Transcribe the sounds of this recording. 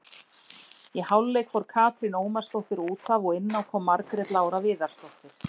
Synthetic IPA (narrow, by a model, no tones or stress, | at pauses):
jɛhawlːeːjkfɔɾ̥kʰaːt̪ɾɪnoːwmaɾ̥st̪ɔwht̪ɪɾuːt̪avɔɣɪnːawkʰvɔːmːaɾkɾɛt̪laːwɾavɪːðaɾ̥st̪ɔht̪ɪɾ̥